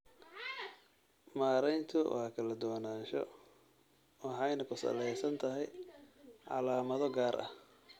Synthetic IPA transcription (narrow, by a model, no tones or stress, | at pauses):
maːɾɛjnt̪ʰʊwɑːkʰɐlɐd̪ɔːnaːnʃɔ̰ | wɑħɑjnɐkʰʊsɐ̰lɛjsɐnt̪ʰɐɦɛj | ʕɑ̰laːmɐðɔɡaːɾʔɐ̰h